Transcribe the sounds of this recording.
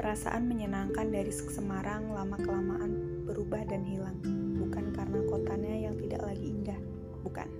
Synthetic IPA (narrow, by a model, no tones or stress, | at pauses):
pəɾasa̰ʔanməɲənaŋkandaɾisə̥səmaɾaŋlamakəlamaʔanb̥əɾubahdanɦilaŋbukankarənakot̪aɲajaŋt̪ida̰ʔlaɡiːndah | buka̰n